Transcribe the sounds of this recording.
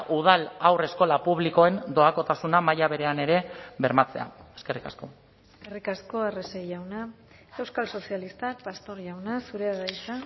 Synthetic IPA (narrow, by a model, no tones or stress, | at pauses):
ʔuð̞alawre̞sko̞lapuβliko̞e̞nd̪o̞ako̞t̪asunamajaβ̞e̞ɾe̞ane̞ɾe̞βe̞ɾmat͡se̞̰a̰e̞ske̞rikasko̞ | kerikasko̞areseʝawna | e̞wskalso̞sialist̪ak̚past̪o̞ɾʝawnasuɾeaɣajsa